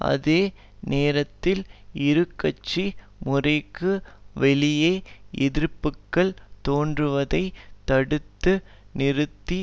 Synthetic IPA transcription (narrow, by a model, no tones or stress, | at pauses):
ʔɐ̰ðeː | neːɾɐt̪ːɪlɪɾɯkːɐt͡ʃːi | mʊrɐɪkːɯʋɛɭɪjeːɛðɪɾpːɯkːɐɭt̪oːndrɯʋɐðɐɪt̪ːɐɽɯt̪ːɯ | nɪɾɯt̪ːi